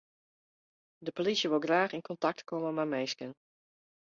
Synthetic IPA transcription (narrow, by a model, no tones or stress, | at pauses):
dəpolisjəʋɪlˠɡraːχɪnkɔntɑk̚tkoməmamejskən